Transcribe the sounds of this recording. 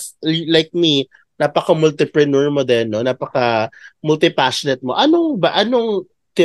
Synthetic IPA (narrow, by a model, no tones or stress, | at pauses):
lajk̚mi | naːpɐkɐmʊlt̪ɪpɹɛnɛɹmod̪ɛnːonaːpɐkɐmʊlt̪ɪpaʃonɛt̪̚mo̞ʔɐnoŋbɐʔɐnoŋ | t̪ɪ